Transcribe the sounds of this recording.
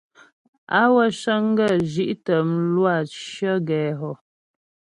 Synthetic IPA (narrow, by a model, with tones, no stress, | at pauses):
a˦wə˦ʃə˦ŋ˦ɡə˦˨ʒi˦ʔtə˨m˦lwa˦˨ʃə˦ɡɛː˨ɦɔ˨